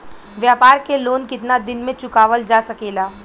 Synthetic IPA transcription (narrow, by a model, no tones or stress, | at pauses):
ʋjaːpaːɾkeloːnkɪt̪nad̪ɪnmẽt͡ʃʊkaːʋəld͡ʒaːsɐkeːlaː